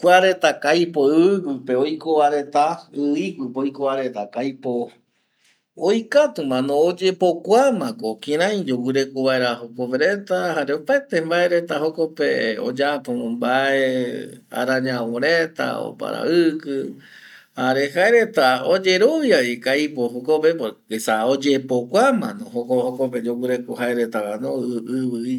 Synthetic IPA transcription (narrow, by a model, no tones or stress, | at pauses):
kʷaɾe̞t̪akajpoɨɨkɨpe̞ojkoβaɾe̞t̪aɨikʷɨpojkoβaɾe̞t̪akajpo | ojkat̪umãnõːd͡ʒe̞po̞kʷamãkokĩɾãj̃d͡ʒowɨɾe̞koβaeɾahokopeɾe̞t̪ahaɾeopaet̪embae̞ɾe̞t̪ahoko̞pḛo̰d͡ʒapombaea̰ɾaɲãwoɾet̪a̰o̰pa̰ɾa̰ɨkɨ | haɾe̞haeɾe̞t̪aod͡ʒe̞ɾo̞βjaikajpoɦokopepokesaod͡ʒepokʷamãnõhokohokop̬ed͡ʒowɨɾe̞kohaeɾe̞t̪akanõɨβɨi